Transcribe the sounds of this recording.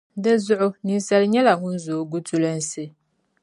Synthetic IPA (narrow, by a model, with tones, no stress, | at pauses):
dɨ˦zʊ˦ʔʊ˦ni˨nsa˦lɲɛ˦la˨ŋʊ˦n˦zoː˨˦ɡu˦tu˨lɨ˦n˨sɨ˦